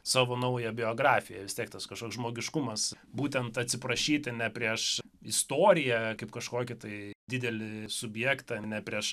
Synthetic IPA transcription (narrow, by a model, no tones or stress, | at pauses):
sɑːʋoːnɐʊjɛbʲɪoːɡɾɑːfʲɪjɛʋʲɪstʲiɛk̚t̪ɐskɐʃkoːksʒmoːɡʲɪʃkʊmɐs | buːt̪ʲɛnt̪ɐt̪ʲsʲɪpɾɐʃʲiːt̪ʲɪnʲɛpʲɾʲiɛʃ | ɪst̪oːɾʲɪjɛkɐɪpkɐʃkoːkʲɪt̪ɐɪd̪ʲɪd̪ʲɛlʲɪsʊbʲjɛːkt̪ɑnʲɛpʲɾʲiɛʃ